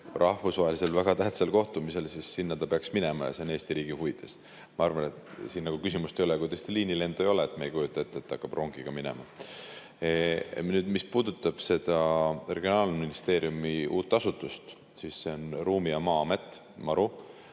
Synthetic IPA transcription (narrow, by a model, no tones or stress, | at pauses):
rʔɑhvusvɑɦelise̞lvæɡ̥ɑt̪æht̪sɑlko̞ht̪umise̞lsisːinːɑt̪ɑpe̞ɑksmine̞mɑjɑ̰seoneːst̪iɾiːɡ̥ihuid̪̥e̞s | mɑɑɾvɑnet̪siːnːɑɡ̥ukysimust̪e̞jo̞lekujt̪est̪iliːnile̞nd̪̥uejo̞leet̪meejkujut̪ːˑɑet̪ːˑet̪ːɑkːɑb̥ro̞ŋɡ̥iɡ̥ɑminḛmɑ | nyːd̪mispuːd̪̥ut̪ˑːɑb̥se̞d̪̥ɑre̞ɡ̥io̞nɑːlminist̪e̞ːɾiumiuːt̪ːˑɑsut̪ːˑust̪ | sisːe̞o̞nruːmijɑmɑːɑme̞t̪ːˑ | mɑɾu